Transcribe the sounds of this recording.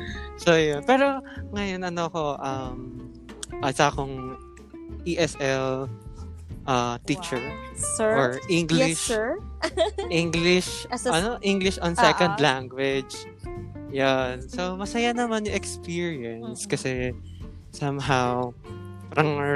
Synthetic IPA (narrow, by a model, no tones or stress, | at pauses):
sojonpɛːɾo̞ŋɐjonʔɐnoko̞ʔɐm | ʔɐsakʊŋ | ʔiʔɛsʔɛl | ʔɐt̪it͡ʃɛɹ | ɔɹʔiŋɡlɪʃ | ʔiŋɡlɪʃɐnoʔiŋɡlɪʃʔɔnsɛkõnd̪laŋɡwɪd͡ʒ | jansomɐsɐjanɐmanjʊŋʔɛkspiɹiɐnskɐsɛ | sɐmɦaw | pɾɐŋ